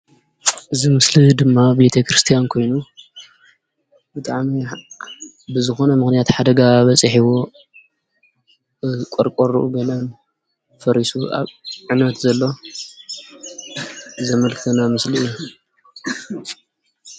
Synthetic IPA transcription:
ʔɨzimɨslid̪ɨmːabe̞t̪ʰɐkɾɨst̪ʰijankʰo̞jnu | bɨt̪ʼaʕmi | bɨzɨxo̞nɐmɨxnijat̪ħad̪ɐɡaβɐt͡sʼɨħiwo | kʷʼɔɾkʼoɾuʔuɡɐlɐn | fɐɾisua̰βʕɨnɐt̪zɐlːo̞ | zɐmɐlkʰɨt̪ʰɐnamɨslijːu

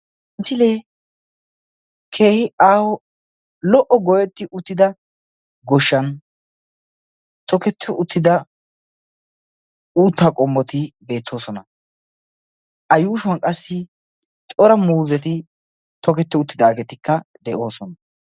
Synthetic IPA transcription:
nt͡sːɪleː | kʰeːhɪaːwɔ | lɔʔːɔɡɔjɛt̪ːɪʔʊt̪ːɪd̪ɐ | ɡɔʃːɐn | t̪ɔkɛt̪ʰːɛʔʊt̪ʰːɪd̪ɐ | uːt̪ːɐkʼɔmːɔt̪ɪbe̞ːt̪ʰːo̞ːsɔnɐ | ʔɐjuːʃʊwɐnkʼɐsːɪ | t͡ʃʼɔɾɐmuːzɛt̪ɪ | t̪ɔkɛt̪ːɛʊt̪ːɪd̪aːɡɛt̪ɪkːɐd̪ɛʔo̞ːsɔnɐ

